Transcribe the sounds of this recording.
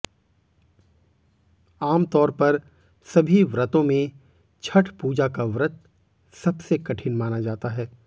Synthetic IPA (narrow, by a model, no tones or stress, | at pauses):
aːmt̪ɔːɾpɐɾ | sɐbʱiʋɾət̪õmẽ | t͡ʃʰɐʈʰpuːd͡ʒakaʋɾət̪̚ | sɐbsekɐʈʰɪnmaːnad͡ʒaːt̪aɦɛː